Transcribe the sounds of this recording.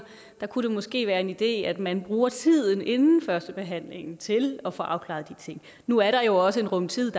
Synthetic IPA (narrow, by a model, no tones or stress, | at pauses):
d̥ɑ̈kʰuɾe̝mɔ̽sɡ̥e̝̰ːʋæːɐe̝nid̥e̝̰ːæd̥mænb̥ʁuːɐt͡sʰið̞̰ˠn̩e̝nn̩fɶɐsd̥əb̥e̝ɦæn̰le̝ŋn̩t͡sʰe̝lɒ̽fɒ̰̽ːʔɑ̈ʊkʰlɑ̰̈ðˠd̥it͡sʰe̝ŋ̰ | nuæɐɾɑ̈jo̝ɒ̽səe̝nʁɔ̽mt͡sʰið̰ˠd̥